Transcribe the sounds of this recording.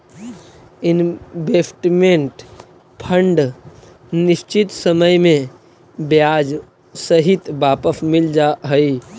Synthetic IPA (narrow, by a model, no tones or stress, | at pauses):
ɪnbeːsʈmẽɳʈ | pʰə̃ɳɖ | nɪʃt͡ʃɪt̪səməjmẽ | bjaːd͡ʒ | səɦɪt̪baːpəsmɪld͡ʒaːɦəi